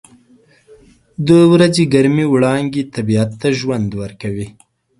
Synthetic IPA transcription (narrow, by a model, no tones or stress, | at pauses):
d̪əwɾazeɡaɾmiwɽɑŋɡet̪abijat̪ːaʒwand̪wəɾkawi